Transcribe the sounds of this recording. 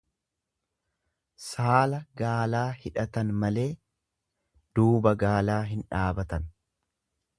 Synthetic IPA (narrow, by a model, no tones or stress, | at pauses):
saːlɐɡaːlaːhɪᶑɐt̪ɐnmɐle̞ː | d̪̥uːbɐɡaːlaːɦɪnᶑaːbɐt̪ɐn